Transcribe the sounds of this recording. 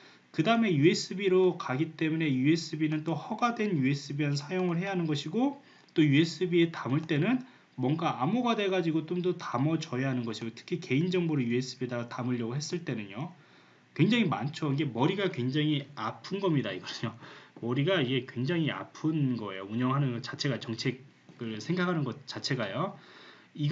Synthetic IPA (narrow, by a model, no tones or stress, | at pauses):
kɯdaɯme̞jue̞s͈ɯbiɾokaɡit͈e̞mune̞jue̞s͈ɯbinɯnt͈ohʌɡadwe̞njue̞s͈ɯbians̬ʰajoŋɯɭɦe̞jaɦanɯnɡʌɕʰiɡo | t͈ojue̞s͈ʰɯbie̞tamɯɭt͈e̞nɯn | mwʌŋɡaamoɡadwe̞ɡad͡ʑiɡot͈omdotamʌt͡ɕʌeɦanɯnɡʌɕʰiɡotʰɯ̥kʰike̞ind͡ʑʌŋboɾojue̞s͈ɯbidatamɯʎːʌɡoɦes͈ɯɭt͈e̞nɯɲo | kwe̞ŋd͡ʑaŋimant͡ɕʰoiɡe̞mʌɾiɡakwe̞ŋd͡ʑaŋiapʰɯnɡʌmɲidaiɡʌɯɲomʌɾiɡaiɡe̞kwe̞ŋd͡ʑaŋia̰pʰɯnɡʌe̞̰jouɲʌŋɦanɯnɡʌt͡ɕat͡ɕʰe̞ɡat͡ɕʌŋt͡ɕʰe̞ɡ̚ | ɡɯɭsʰe̞ŋɡakʰanɯnɡʌt̚t͡ɕ͈at͡ɕʰeɡajo | iɡ